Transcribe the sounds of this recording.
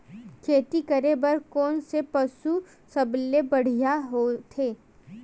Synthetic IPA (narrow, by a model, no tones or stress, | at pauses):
kʰeːt̪ikɐɾebɐɾkɔːnsepɐsu | sɐblebɐɽ̤ijaɦot̪ʰeː